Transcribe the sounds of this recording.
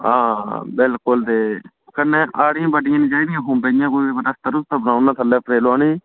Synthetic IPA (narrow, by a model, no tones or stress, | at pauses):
ɦãːbɪlkʊld̪eː | kənːẽːʔaːɽɪjãːbəɖɪjãːnĩːt͡ʃaːiːd̪ɪjãːɦʊ̃ːmbeːjãːkoːibəɾast̪əɾʊst̪əbənaːʊnãːt̪ʰəlɛːpʰɾeːlaːniː